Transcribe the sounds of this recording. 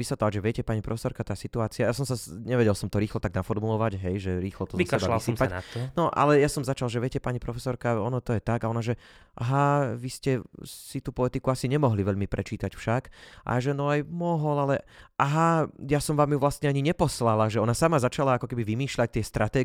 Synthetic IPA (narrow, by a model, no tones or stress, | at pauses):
ʋisʋɛt̪lɔʋaɟʒɛʋɪɛcɛpaɲipɾɔfɛ̥sɔɾkat̪aːsit̪uaːt͡siajas̬ɔmsaɲɛʋɛɟɛlˠsɔmt̪ɔɾiːxlɔt̪aɡnafɔɾmulɔʋaɟɦɛjʒɛɾiːxlɔt̪ɔziaɛasːpananɔʔa̰lɛjasɔmzat͡ʃalˠʒɛʋɪɛcɛpaɲipɾɔfɛsɔɾkaɔnɔt̪ɔjɛt̪aɡaɔnaʒɛ | ʔaɦaʋiscɛsit̪uːpɔɛt̪ikuasiɲɛmɔɦliʋɛʎmipɾʔɛt͡ʃiːt̪acfʃakʔa̰ʒɛnɔajmɔɦɔlalɛʔaɦajasɔmʋaːmjuʋlast̪ɲɛaɲiɲɛpɔslalaʒɛɔnasamazat͡ʃalaakɔkɛbiʋimiːʃʎac̚t̪ɪɛst̪ɾʔat̪ɛː